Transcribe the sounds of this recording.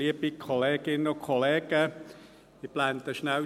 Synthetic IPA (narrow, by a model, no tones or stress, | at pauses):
liəbikʰoleːɡ̥ɪnəʊkʰɔleːɡ̥ə | mɪplant̪əʃnæw